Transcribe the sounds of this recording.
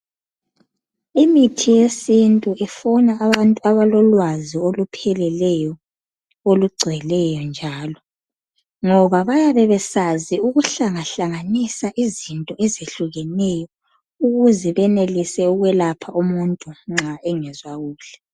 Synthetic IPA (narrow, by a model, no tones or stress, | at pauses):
imitʰijesintʼuʔɛfɔnaːβantʼuaβalɔlwaziolupʰɛlɛlɛjɔ | oluɡ͡ǀʱɛlɛjɔnd͡ʒʱaːlɔ | ŋɔβaβajaβɛβɛsaziuɣuɬaŋaɬaŋanisaʔizintʼɔɛzeɬuɣɛnɛjɔ | uɣuzɛβɛnelisɛuɣwɛlapʰaʔumuntʼuŋ͡ǁaɛŋɛzwaɣuːɬɛ̥